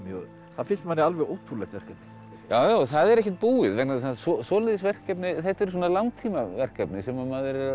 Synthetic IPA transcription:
θaðfɪnst̪manːɪalvɛɣoːwt̪ʰulɛxt̪vɛr̥kɛp̚nɪ̥ | jaːwjawθaðɛɾɛhcːɛ̥t̪̚puːɪðvɛknaðsasɔsɔːlɪðɪsvɛr̥kɛpnɪθɛht̪ɛɾ̥s̬ɔːnalawŋt̪ʰiːmavɛr̥kɛpnɪsɛmamaðɪɾɛɾa

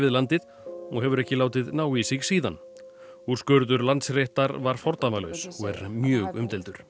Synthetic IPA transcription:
vɪðlant̪ɪð | ɔɣɦɛvʏɾɛhcɪlaːwt̪ɪðnaːwisɪɣsiːðan | uɾ̥skœɾðʏɾlant̪sreht̪aɾvaɾ̥fɔɾt̪amalœ̰ɥsɔɣɛɾmjœːɣʏmt̪ɛlt̪ʏɾ̥

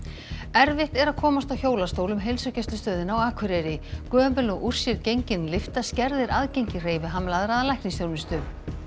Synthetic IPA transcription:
ɛɾvɪht̪ɛɾaðkʰɔːmast̪awçoːwlast̪oːwlʏmɦejlsʏcɛst̪lʏst̪œːðɪnawaːkʰvʏɾɛɾɪkœːɛmpɛlɔɣʔur̥sjɪɾcejɲcɪnlɪft̪ascɛɾðɪɾʔaðcejɲcɪr̥eːjvɪɦaːmlaðɾaðlajhknɪŋsθjoːɾmɪst̪ʏ

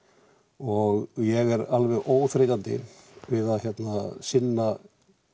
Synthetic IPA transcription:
ɔɣjɛɣɛɾalvɛɣoːwθɾejt̪ant̪ɪ̰vɪðaðçjɛt̪nasɪnːa

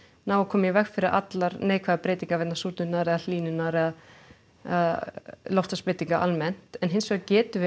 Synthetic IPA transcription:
nawakʰɔːmjɛvɛxfɪɾɪɾʔa̰t̪laɾneːjkʰvɛðapɾeːjt̪iŋkavɛt̪nasuːt̪nʏnaðɾɛðal̥iːnʏnaɾɛða | ðlɔwft̪aspɪt̪iŋkaʔa̰lmɛn̥t̪ɛnɦɪnsvɛacɛːt̪ʏv

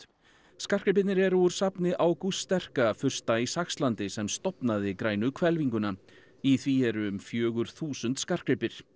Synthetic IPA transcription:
skar̥kɾɪp̬ɪt̪nɪɾɛɾuɾ̥sapnɪʔawkust̪ɛr̥kafʏr̥st̪aisaxst̪lant̪ɪsɛmst̪ɔpnaðɪkɾaːjnʏkʰvɛlviŋkʏna | iθviɛɾʏʏmfjœːɣʏɾ̥θuːsʏnt̪skar̥kɾɪpɪɾ̥

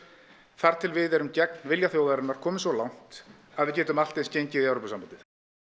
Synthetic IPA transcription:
θaɾ̥t̪ʰɪlvɪðɛɾʏmcɛk̚n̥vɪljaθjoːwɣaɾɪnaɾ̥kʰɔːmɪnsvɔlawn̥t̪ | aðvɪðcɛːt̪ʏmal̥t̪ejnscejɲcɪðɛwɾopasampant̪ɪθ

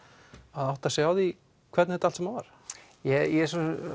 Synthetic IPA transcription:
aðawht̪asjawði | kʰvɛɾt̪nhɛt̪alsɛmavaɾ̥ | jɛjɛsɔ

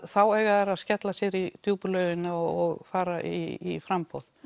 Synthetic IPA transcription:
θawɛɣaðɛɾaðscɛt̪lasjɛɾit̪juːplœːɥɣɪnaɔɔɣfaːɾaʔiːfɾampowð

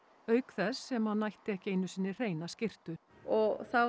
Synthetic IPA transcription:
œːɥkθɛsːɛmhaðnːajht̪ɪɛhcɪejnːʏsiːnːɪr̥eːjnascɪr̥t̪ʏ | ɔɣθa

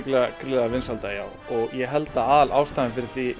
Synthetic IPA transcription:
klɛɣakʰɾɪlɛɣavɪnsalt̪aja̰w | ɔɣjɛɦɛlt̪aaːðalʔaːwst̪aːðɪmfɪɾɪɾ̥θvi

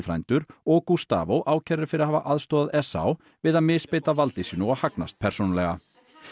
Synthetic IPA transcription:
fɾajnt̪ʏɾɔkust̪a̰ːvowʔaːwcʰɛɾɪɾfɪɾɪaðhaːva̰ʔaðst̪oːðaðɛsa̰w | vɪðaðmɪːspeːjt̪avalt̪ɪsiːnʏahakna̰st̪̚pʰɛr̥sonlɛɣa

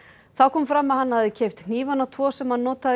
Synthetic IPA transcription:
θawkʰɔːmfɾamːaðhanːhavðɪcʰejft̪n̥iːvanawt̪ʰvɔːsɛmhanːɔːt̪að

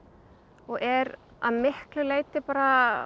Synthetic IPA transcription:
ɔɣɛɾ | a̰ðmɪhklʏleːjt̪ɪpaːɾa

